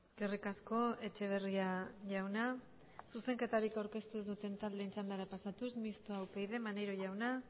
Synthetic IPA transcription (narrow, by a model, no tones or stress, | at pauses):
eske̞rikasko̞e̞t͡ʃe̞β̞e̞riaʝawna | suse̞ŋke̞t̪aɾikawɾke̞st̪uezd̪ut̪e̞nt̪ald̪e̞int͡sand̪aɾapasat̪usmist̪oawpe̞jðe̞manejɾo̞ʝawna